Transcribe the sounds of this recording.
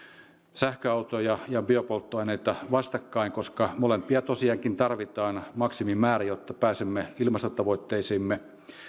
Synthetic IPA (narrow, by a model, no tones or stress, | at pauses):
sæhkøɑut̪ojɑjɑbiopolt̪ːoɑineit̪ɑʋɑst̪ɑkːɑiŋkoskɑmolempiɑt̪osiɑŋkint̪ɑrʋit̪ɑːnmɑksimimæːræjot̪ːɑpæːsemːeilmɑst̪ot̪ɑʋoit̪ːeisiːmːe